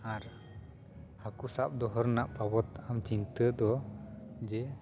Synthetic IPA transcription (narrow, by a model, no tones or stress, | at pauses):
aɾ | hakusap̚d̪ɔɦɔɾnaʔpabɔt̪amt͡ʃint̪əd̪ɔ | d͡ʒɛ